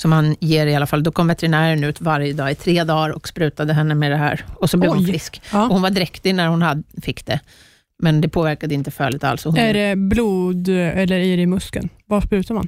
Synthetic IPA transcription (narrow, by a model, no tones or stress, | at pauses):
sɔmhanjeːɾɪalːafalːd̪ɔkʰɔmvɛt̪ɛɾɪnæːɾənʉ̟ːt̪vaɾjəd̪ɑːɪt̪ʰɾeːd̪ɑːɾɔ̰kspɾʉ̟ːt̪ad̪əɦɛnːəmed̪ɛɦæ̰ːɾɔsɔblɛvvʊnfɪskːɔhʊnvaɖɪɾɛkt̪ɪnæɾhʊnhad̪fɪkːd̪̥ɛ | mɛnd̪ɛpʰoːvæɾkad̪əɪnt̪əfœːɭɪt̪a̰lsɔhʊnæɖɛbluːd̪ɛlːəɾæɾɪmɵskə̰nvaspɾʉ̟ːt̪aɾma̰n